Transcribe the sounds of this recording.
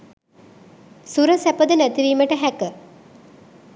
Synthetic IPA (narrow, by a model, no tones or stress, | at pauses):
suɾəsæpəd̪ənæt̪iʋiːməʈəɦækə